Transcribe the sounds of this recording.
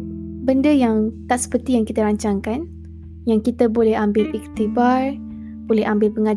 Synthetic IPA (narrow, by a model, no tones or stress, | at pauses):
bəndəjaŋt̪aʔsə̥pərt̪ijaŋkit̪əɾaɲt͡ʃaŋkan | jaŋkit̪əbolɛhambɪlɛk̚t̪ibar | b̥olɛɦambɪlpəŋa